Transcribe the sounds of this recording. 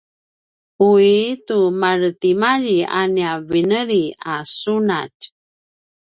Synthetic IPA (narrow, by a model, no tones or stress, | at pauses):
uitumaɾətimaɾia̰niavinəɾiasuna̰t